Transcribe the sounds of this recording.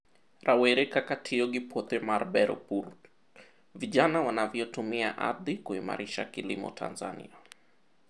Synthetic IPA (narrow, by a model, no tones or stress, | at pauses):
ɾʔawɛɾɛkakatʰiɔɡipʰɔt̪ɛmaɾbɛɾɔ̰puɾ | viʄanawanavjɔtumia̰ʔa̰ðikuima̰ɾiʃa̰kilimɔ̰tʰa̰nza̰nḭa